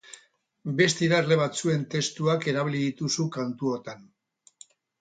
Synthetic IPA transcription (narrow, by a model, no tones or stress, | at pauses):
be̞st̪iɾazle̞β̞at͡sue̞nt̪e̞st̪uake̞ɾaβiliðit̪usukant̪uot̪an